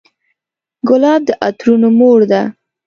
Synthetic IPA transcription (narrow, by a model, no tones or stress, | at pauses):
ɡʊlɑb̚d̪əʔat̪ɾunomoɽd̪a